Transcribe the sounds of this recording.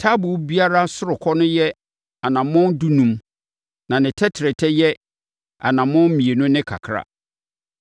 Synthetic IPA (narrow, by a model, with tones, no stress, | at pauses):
tʰa˦bʊ˨˦bi˦a˦ɾa˦sʊ˦ɾʊ˨kʰɔ˦nʊ̃˦jɛ˦ | a˨nã˨mʊ̃˦ndu˦nũ˦m | nã˨nɪ̃˨tʰɛ˦tʰɪ˨ɾɪ˨tʰɛ˦jɛ˦ | a̰˨nã˨mʊ̃˦n˦mĩ˨e˨nʊ̃˦nɪ̃˦kʰa̰˨kʰɾa̰˨